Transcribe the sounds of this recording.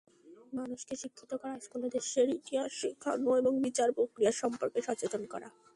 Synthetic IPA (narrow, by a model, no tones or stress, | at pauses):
manuʃkeʃikʰːit̪okɔɾaʃkoled̪eʃeɾit̪iɦaʃikʰːa̰noeboŋbit͡ɕaɾpokɾiaɾʃɔmpoɾkeʃɔt͡ɕet͡ɕonkɔ̰ɾa̰